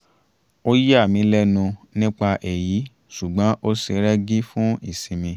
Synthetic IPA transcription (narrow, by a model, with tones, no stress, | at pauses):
o˦ji˦a˦˨mĩ˨˦lɛ˦nũ˧nĩ˦k͡pa˧ʔe˨ji˨˦ | su˨ɡ͡bã˨˦ʔo˦se˧˦ɾɛ˦ɡi˦fũ˦i˦˨sĩ˨mĩ˧